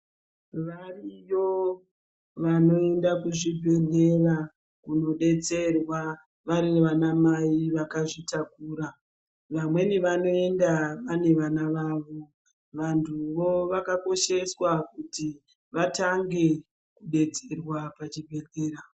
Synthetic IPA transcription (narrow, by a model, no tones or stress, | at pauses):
ʋarijo | ʋanoe̞ndakuʐibʱe̞ɮe̞ra | kuno̞ɗe̞t͡se̞rwa | ʋaɾiʋanamaiʋakaʐitakuːɾa | ʋamwe̞niʋano̞e̞ndaʋane̞ʋanaʋaːʋo̞ | ʋantʰuʋo̞ʋakako̞ʃe̞swakuti | ʋataŋɡe̞ | kuɗe̞t͡serwapat͡ʃibʱe̞ɮe̞ːɾa